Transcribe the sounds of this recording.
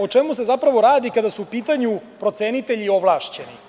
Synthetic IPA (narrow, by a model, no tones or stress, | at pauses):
ot͡ʂemus̬e̞zapɾaʋo̞ɾaːd̪ikad̪asuːpiːt̪aɲupɾo̞t̪seːnit̪eʎioʋlˠaʃt͡ɕenḭ